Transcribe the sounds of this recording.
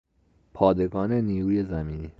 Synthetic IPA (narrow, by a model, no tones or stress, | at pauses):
pʰɒːd̪e̞ɡɒːneniːɾuːje̞zæmiːniː